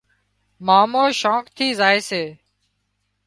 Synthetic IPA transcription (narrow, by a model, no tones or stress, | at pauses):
maːmoːʃoːkt̪ʰiːzaːeːseː